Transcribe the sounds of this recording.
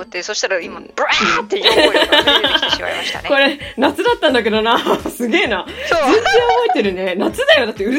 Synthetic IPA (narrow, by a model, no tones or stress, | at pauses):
t̪ːesoɕi̥t̪aɾaimabae | a̰ɾimaɕt̪a̰ko̞ɾe̞nat͡sɨd̪at̪ːãnd̪ok̬e̞d̪onasɨɡʲe̞ːnad͡zẽnzẽobo̞et̪e̞ɾɯ̟ne̞nat͡sɨd̪ajo̞d̪at̪ːeɯ